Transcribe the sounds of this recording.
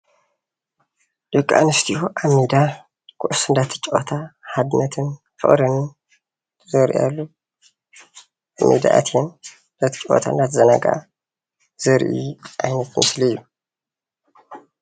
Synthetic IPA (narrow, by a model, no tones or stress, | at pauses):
d̪̥ɨkʼːa̰nɨst̪ʰihoʔamid̪a | kʰṵʔʊsɨnd̪at̪ʰɨ̥t͡ʃʼʔot̪ʰahad̪nɐt̪ʰɨn | fɨ̰χʼɾɨn | zoɾʔḭja̰lːu | ʔamːḭd̪a̰ʔa̰t̪ʰiɛn | d̪at̪ʰt͡ʃʼo̰t̪ʰa̰ɨnd̪at̪ʰɨzɐnaɡʔa̰ | zɨɾʔḭʔa̰jnɐt̪mɨslijːu